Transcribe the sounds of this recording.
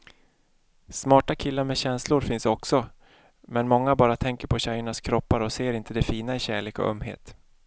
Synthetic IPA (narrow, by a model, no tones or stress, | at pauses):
smɑːʈakʰɪlːaɾmɛɕɛnslʊɾfɪnsɔksɔ | mɛnmɔŋːabɑːɾat̪ʰɛŋkəɾpʰɔɕɛjəɳaskʰɾɔpːaɾɔseːɾɪnt̪əd̪ɛfiːnaɪɕæːɭeːkɔ̰ʔœ̰mːɦḛːt̪